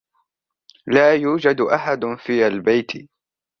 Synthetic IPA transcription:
laːjuːd͡ʒad̪ʔaħad̪fiːʔalbajt̪ʰ

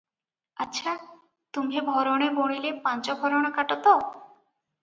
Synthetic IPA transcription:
atːʃʰa | t̪umɦebʱɔɾɔɽ̃eboɽ̃ilepãnt͡ʃɔbʱɔɾɔɽ̃ɔkaʈɔt̪ɔ

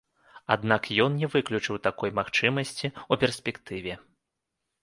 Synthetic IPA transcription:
ad̪nakjɔnnʲɛvɨklʲut͡ʂɨwt̪akɔjmaxt͡ʂɨmɐsʲt͡sʲiupʲɛrsʲpʲɛkt̪ɨvʲɛ

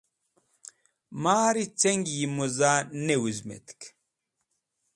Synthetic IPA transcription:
maːɾit͡seŋɡjimuzaːnewuzmḛt̪k

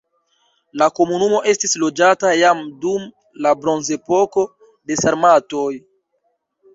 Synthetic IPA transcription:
lako̞munumo̞ʔe̞stislo̞d͡ʒatajamdum | labɾo̞nze̞po̞ko̞ | de̞saɾmato̞j

